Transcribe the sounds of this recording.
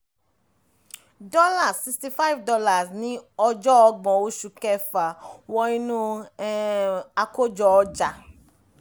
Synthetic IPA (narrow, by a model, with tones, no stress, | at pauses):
dɔ˦la˦˨si˧sti˧fa˦i˦vdɔ˧la˨snĩ˨˦ɔ˧d͡ʒɔ˦ɔ˧ɡ͡bɔ̃˨o˦ʃu˧kɛ˦˨fa˨wɔ˧i˦nũ˦ | a˧ko˦d͡ʒɔ˧ɔ˧d͡ʒa˨